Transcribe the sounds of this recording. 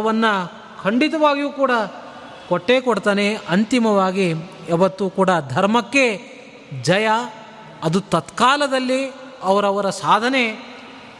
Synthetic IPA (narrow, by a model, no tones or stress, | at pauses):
ɐʋɐnːɐ | kʰɐɳɖit̪ɐʋaːɡijuːkuːɽɐ | koʈːeːkoɽt̪aːneɐnt̪imɐʋaːɡi | ɛʋɐt̪ːuːkuːɽɐd̪ʱɐɾmɐkːe̞ | d͡ʒɐjɐː | d̪ut̪ɐt̪kaːlɐd̪ɐlːi | ɐʋɐɾɐʋɐɾɐsaːd̪ʱɐne̞